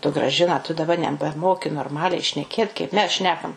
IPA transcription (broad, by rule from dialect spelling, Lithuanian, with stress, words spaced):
tʊ ɡrɐˈʒʲɪnɐ tʊ dɐˈbɐ nʲɛbʲɛˈmoːkʲɪ noːrˈmɑːlʲɛɪ ʃʲnʲɛˈkʲeːt kɐɪp ˈmʲɛs ˈʃʲnʲæːkɐm